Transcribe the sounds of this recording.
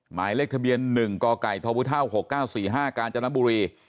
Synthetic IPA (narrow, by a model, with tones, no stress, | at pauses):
ma̰ː˩˦jleː˥˩k̚t̪ʰa˧bi˧ənːɯ˨˩ŋkɔː˧ka˨˩jt̪ʰɔː˧pʰu˦˥t̪ʰa˥˩who˨˩kːaː˥˩wsiː˨˩ɦaː˥˩kaː˧nt͡ɕa˧na˦˥mbuː˧ɾiː˧